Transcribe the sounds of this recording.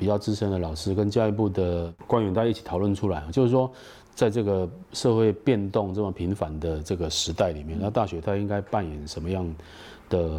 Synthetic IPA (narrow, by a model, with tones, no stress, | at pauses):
pi˨˩t͡ɕjɑ˥˩ʊt͡s̩˥ʂʰə˥nd̪ə˨lɑ˨˩ʊʂɻ̩˥˧kə˦nɕja˥˧i˥˩p̬u˥˩d̪ə˩kwa˥nɥɛ˧˥t̪a˥˧a˥i˥˩t͡ɕʰi˨˩t̪ʰɑ˨˩ʊwə˥˨nʈ͡ʂʰu˥la˨˦ɪ˨˩t͡ɕjʊʂɻ̩˥˩ʂwɔ˥ | t͡sa˥˧ɪʈ͡ʂɤ˥˩ɡə˩ʂɤ˥˧xwe˥˧ɪpjɛ˥˧nt̪ɔ˥˧ŋʈ͡ʂɤ˥˩mə˩pʰi˧˥nfa˧˥nd̪ə˧ʈ͡ʂɤ˥˩ɡə˩ʂɻ̩˧˥t̪a˥˩ɪli˨˩mjɛ˥˩n˥˧t̪a˥˩ɕɥɛ˧˥t̪ʰa˥i˥ŋka˥ɪpa˥˩njɛ˨˩˦nʂə˧˥nmə˧jɑ˥˩ŋ | d̪̥ə˩